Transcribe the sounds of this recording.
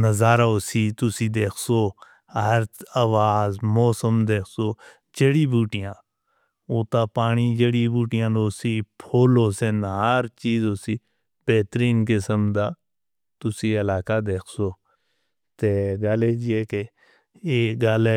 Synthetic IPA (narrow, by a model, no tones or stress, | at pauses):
nəzaːɾaosit̪ʊsid̪eːkʰso | ɦəɾaːʋaːzmɔːsəmd̪eːkʰsoː | d͡ʒəɽibuːʈijãː | oːt̪aːpaːɽ̃id͡ʒəɽibuːʈijãːd̪oːsipʰoːloːsenaɾt͡ʃiːzoːsi | b̥eːt̪ɾiːnkesəmd̪aː | t̪ʊsiɐlaːkad̪eːkʰsoː | t̪eɡaːled͡ʒieːke | eːɡaːle